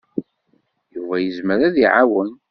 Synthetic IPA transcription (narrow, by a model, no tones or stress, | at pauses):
juvæjəzməɾæðiʕawən